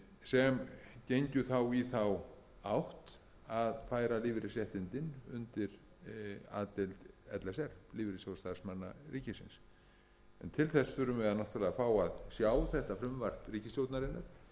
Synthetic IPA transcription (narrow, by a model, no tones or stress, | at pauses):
sɛmcejɲcʏθawiθaw | awht̪ | aðfaːjɾaliːvɪɾɪsjɛht̪ɪnt̪ɪnʏ̰nt̪ɪɾ | a̰ːt̪ɪlt̪ɛt̪lɛsɛɾ̥liːvɪɾɪsjost̪ḁsmanːa̰ɾiːcɪsɪns | ɛ̰nt̪ʰɪlθɛsfʏɾʏmɪðanaht̪ʏɾlɛːɣafaːwaðsjaːwθɛht̪afɾʏmvar̥priːcɪsljowt̪naɾɪnːaɾ̥